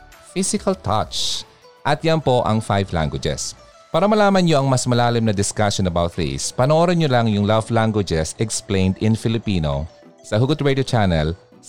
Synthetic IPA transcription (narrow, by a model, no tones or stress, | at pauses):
fɪsɪkʰɐlt̪ʰɐ̰t͡ʃ | ʔɐt̪̚janpo̞ʔɐ̰ŋfajvla̰ŋɡwɪd͡ʒɛ̰s | paːɾɐmɐlaːmɐnɲoʔɐŋmɐsmɐlaːlɪmnɐd̪ɪskaʃonɐbawt̪̚ðḭspɐnoʔoːɾɐnɲolaŋjʊŋlɐvlaŋɡwɪd͡ʒɛsɛksplẽjnd̪ɪnfɪlɪpiːno̰ | sɐɦʊɡʊt̪ɹɛd̪jot͡ʃanɛl